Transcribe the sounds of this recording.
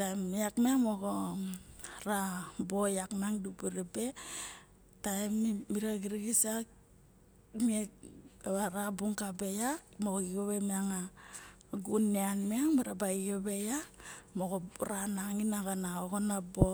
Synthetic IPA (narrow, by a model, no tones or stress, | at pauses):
tajmiakmeamoɡo | ɾabojaknaŋdupuɾibe | tajmmiɾaɡiɾiɡisak | miekaɾabuŋkabejak̚moiɡoβemeaŋa | ɡunːeanmeaŋmaɾabaiɡobejakmoɣoɾanaŋinaɣanaoɣonabo